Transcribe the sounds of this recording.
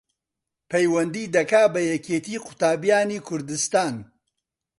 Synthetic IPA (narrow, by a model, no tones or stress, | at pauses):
pʰejwɐnd̪iːd̪ɐkaːbɐjɐkʰeːt̪iːqʰʊ̥t̪aːbijaːniːkʰʊɾd̪ɨst̪aːn